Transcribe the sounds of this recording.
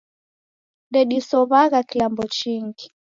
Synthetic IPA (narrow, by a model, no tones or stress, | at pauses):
ndɛɗisɔβaɣakilambɔt͡ʃiŋɡi